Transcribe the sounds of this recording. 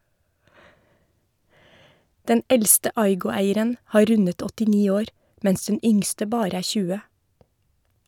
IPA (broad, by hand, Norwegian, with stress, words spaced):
ˈdɛn ˈɛlstə ˈɑɪɡʊˌæɪəɾən ˈhɑː ˈɾʉnət ɔtɪˈniː ˈoːɾ ˈmɛns ˈdɛn ˈʏŋstə ˈbɑːɾə ˈæː ˈçʉːə